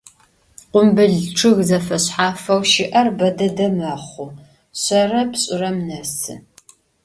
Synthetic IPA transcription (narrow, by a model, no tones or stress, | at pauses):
qʷʊmbɨɮʈ͡ʂʰʼɨɣzɐfɐɕħaːfɐwʃɪʔɐrbɐdɐdɐmɐχʷʊ | ɕɐrɐpɕʼɪɾɐmnɐsɨ̰